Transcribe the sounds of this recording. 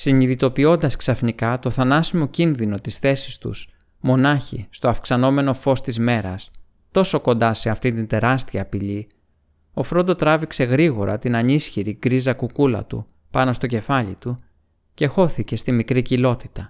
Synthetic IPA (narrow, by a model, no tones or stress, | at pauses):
siniðit̪o̞pio̞nd̪ɐsksɐfnikɐt̪o̞θɐnɐsimo̞cinðino̞t̪isθe̞si̥st̪ṵs | mo̞nɐçḭst̪o̞ɐfksɐno̞me̞no̞fo̞st̪izme̞ɾɐs | t̪o̞so̞ko̞nd̪ɐse̞ɐft̪int̪ind̪e̞ɾɐst̪iɐːpiʎi | o̞fɾo̞nd̪o̞t̪ɾɐvikse̞ɣɾiɣo̞ɾɐ̰t̪inɐnisçiɾiɡɾizɐkukulɐ̰t̪ṵ | pɐno̞st̪o̞ce̞fɐʎit̪u | ce̞xo̞θice̞st̪imikɾicilo̞t̪i̥t̪ɐ